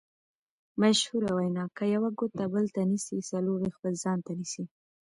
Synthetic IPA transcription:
maʃhuɾawajnɑkajawaɡʊt̪abəlt̪anisisaloɾexpəlzɑnt̪anisi

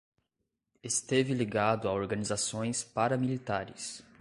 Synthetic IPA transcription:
est̪evɪliɡad̪ʊaoɾɡɐnizasõj̃spaɾɐmilit̪aɾɪs

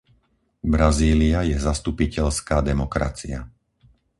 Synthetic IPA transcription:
bɾaziːliajɛzast̪upicɛʎskaːd̪ɛmɔkɾa̰t͡sia

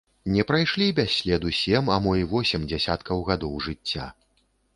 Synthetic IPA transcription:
nʲɛpɾajʂlʲibʲasʲlʲɛd̪usʲɛmɐmɔjvɔsʲɛmd͡zʲɛsʲat̪kʰɐwɣad̪ɔwʐɨt͡sʲːa̰

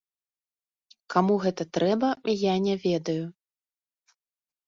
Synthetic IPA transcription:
kamuɣɛt̪ɐt̪ɾɛbɐijanʲɛvʲɛd̪ɐju

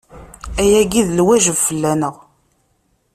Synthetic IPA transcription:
æjæɡiðlwæʒəvfəlːænəʁ

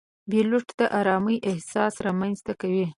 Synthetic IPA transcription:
beluʈd̪̥əʔaɾɑməjʔɪhsɑsɾɑmanzt̪akawi

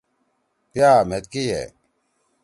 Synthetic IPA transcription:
pjaːmet̪̚kijɛ̰

